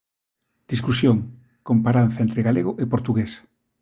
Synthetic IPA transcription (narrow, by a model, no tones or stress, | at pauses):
d̪̥iskusjoŋ | kompaɾanθɐent̪ɾeɣaleɣʊʔepoɾt̪uɣes